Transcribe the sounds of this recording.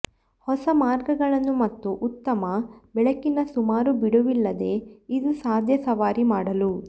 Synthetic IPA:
hɔsɐmaːɾɡɐɡɐɭɐnːumɐt̪ːuʔut̪ːɐmɐbɛɭɐkːinɐsumaːɾubiɽuʋilːɐd̪e̞id̪usaːd̪ʱjɐsɐʋaːɾimaːɽɐlu

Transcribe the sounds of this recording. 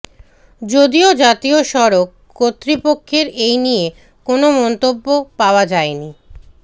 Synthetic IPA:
d͡ʑod̪iod͡ʑat̪ioʃɔɾokːot̪ːɾipokʰːeɾejnije | konomɔnt̪obːopaoad͡ʑaeni

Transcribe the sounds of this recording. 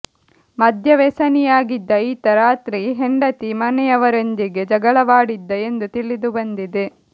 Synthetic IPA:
mɐd̪ʱjɐʋeːsɐnijaːɡid̪ːɐiːt̪ɐɾaːt̪ɾiɦeɳɖɐt̪imɐnɛjɐʋɐɾend̪iɡe̞d͡ʒɐɡɐɭɐʋaːɽid̪ːɐe̞nd̪ut̪iɭid̪ubɐnd̪id̪e

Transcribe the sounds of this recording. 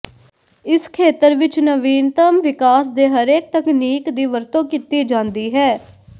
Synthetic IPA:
ɪskʰeːt̪əɾʋɪt͡ʃnəʋiːnt̪əmʋɪkaːsd̪eːɦəɾeːk̚t̪əkniːkd̪iːʋəɾt̪õːkit̪iːd͡ʒãːnd̪iːɦɛː

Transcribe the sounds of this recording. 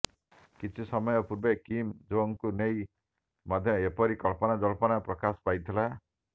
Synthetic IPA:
kit͡ʃʰisɔmɔjɔpuɾbekimd͡ʒoŋkunej | mad̪ʱjɔepɔɾikɔɭpɔnad͡ʒɔlɔpɔnapɾɔkasɔ̥pajt̪ʰila

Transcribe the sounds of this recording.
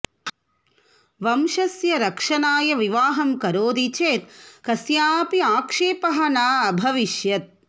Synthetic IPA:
ʋɐmʃɐsjɐɾɐkʂɐnaːjɐʋiʋaːɦɐmkɐɾoːd̪it͡ʃeːt̪̚kɐsjaːpiaːkʂeːpɐɦɐnaːɐbʱɐʋiʃjɐt̪̚

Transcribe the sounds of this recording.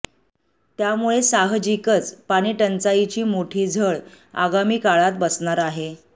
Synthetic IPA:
t̪jamuɭesaɦd͡ʑikət͡spaɽ̃iːʈənt͡sait͡ɕiːmoʈʰiːd͡zʱəɭ | a̰ɡamiːkaɭat̪̚bəsɳaɾaɦe

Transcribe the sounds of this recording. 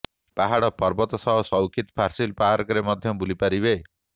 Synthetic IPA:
paɦaɽɔpɔɾbɔt̪ɔsɔɦɔsɔwkʰit̪ɔ̥pʰaɾsilpaɦaɾɔkɔɾemɔd̪ʱjɔbulipaɾiβe

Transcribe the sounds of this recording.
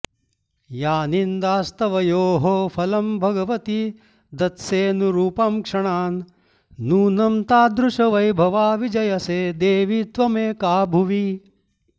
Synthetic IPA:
jaːnind̪aːst̪ɐʋɐjoːɦopʰɐlɐmbʱɐɡɐʋɐt̪i | d̪ɐt̪seːnuɾuːpɐmkʂɐɳaːnː | uːnɐmt̪aːd̪ɾuʂɐʋɐjbʱɐʋaːʋid͡ʒɐjɐseːd̪eːʋit̪ʋɐmeːkaːbʱuʋi

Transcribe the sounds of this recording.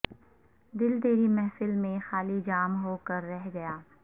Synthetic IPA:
d̪ɪld̪eːɾimɛɦfɪlmẽxaːlid͡ʒaːmɦoːkɐɾːɛɦɡɐjaː

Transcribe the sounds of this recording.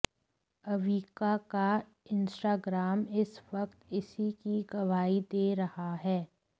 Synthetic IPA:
ɐʋiːkaka | ɪ̃nsʈaːɡɾaːmɪsʋɐkt̪ɪsikiɡɐʋaːid̪eːɾɐhaɦɛː

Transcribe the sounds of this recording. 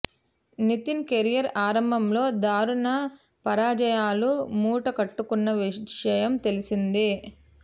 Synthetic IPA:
nit̪inkeɾijɐɾaːɾɐmbʱɐmlo̞ːd̪aːɾuɳɐ | pɐɾaːd͡ʒɐjaːlumuːʈɐkɐʈːukunːɐʋiʂɐjɐmt̪e̞lisind̪i

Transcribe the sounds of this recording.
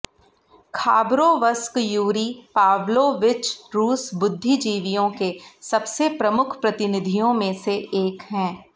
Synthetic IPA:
kʰaːbɾoʋəskjuːɾipaːʋloʋɪt͡ʃɾuːsbʊd̪ʱːid͡ʒiːʋijõkesɐbsepɾɐmʊkʰpɾɐt̪ɪnɪd̪ʱijõmẽseeːkɦɛ̃ː

